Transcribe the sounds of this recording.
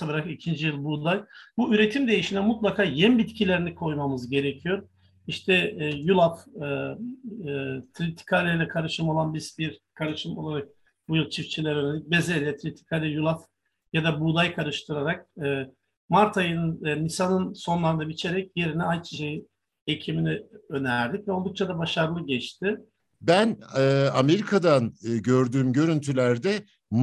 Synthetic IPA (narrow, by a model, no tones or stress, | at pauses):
abɾakicʰind͡ʒijɯlˠbud̪ajbuyɾe̞t̪ʰimd̪e̞jiʃinɛmut̪lˠakʰaːjɛnbit̪cʰilʲe̞ɾinikʰo̞jmamɯzɟe̞ɾecʰijo̞ɾ | iʃt̪ʰɛjulˠafɯ | t̪ʰɾit̪ʰi̥kʰalʲɛjlʲɛkʰaɾɯʃɯmo̞lˠanbizbiɾkʰaɾɯʃɯmo̞lˠaɾak̚ | bujɯlˠt͡ʃʰift͡ʃʰilʲɛɾøɾnɛnʲic̚bezelʲɛt̪ʰɾit̪ʰi̥kʰalʲɛjulˠaf | jad̪abud̪ajkʰaɾɯʃt̪ʰɯɾaɾak̚ɯː | maɾt̪ʰajɯnnisanɯnso̞nlˠaɾɯnd̪abit͡ʃʰe̞ɾɛcje̞ɾinɛajt͡ʃʰi̥ʃeji | ecʰiminiø̞næɾd̪icvɛolˠd̪uk̚t͡ʃʰad̪abaʃaɾlˠɯɟɛt͡ʃt̪ʰɪ | bænɯːame̞ɾikʰad̪anɟøɾd̪yːmɟø̞ɾynt̪ʰylʲæɾd̪ɛ | m